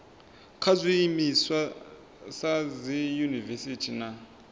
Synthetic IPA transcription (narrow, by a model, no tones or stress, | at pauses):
kʰazʷiimiswa | sazijunivɛsitʰina